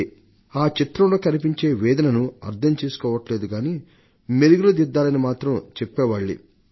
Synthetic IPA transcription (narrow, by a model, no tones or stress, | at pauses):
aːt͡ʃit̪ɾɐmloːkɐnipiɲt͡ʃe̞ːʋɛːd̪ɐnɐnuɐɾt̪ʰɐmt͡ʃeːsu̥kɔːʋɐʈle̞ːd̪uɡaːniː | meɾuɡulod̪id̪ːaːlɐnimaːt̪ɾɐmt͡ʃepːɛːʋaːɭːḭ